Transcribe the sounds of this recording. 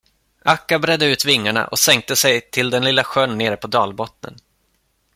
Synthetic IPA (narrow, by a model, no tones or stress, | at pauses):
ʔakːabɾɛd̪ːəʉ̟ːt̪vɪŋːaɳa̰ʔɔ̰sɛŋk̚t̪əsɛjt̪ʰɪld̪ɛnlɪlːaɧœɳːeːɾəpʰɔd̪ɑːlbɔt̪nə̰n